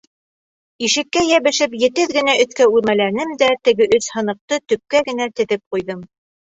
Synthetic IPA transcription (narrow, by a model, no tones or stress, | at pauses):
iʃɘ̆kːæjæβɘ̆ʃɘpjɘ̆t̪ɘðɡɘ̆næɵ̆θkæʉɾmælænɘmd̪æt̪ɘ̆ɡɘʔɵshɤ̆nɤ̆q̚t̪ɤt̪ɵ̆p̚kæɡɘ̆næt̪ɘ̆ðɘp̚qujðɤm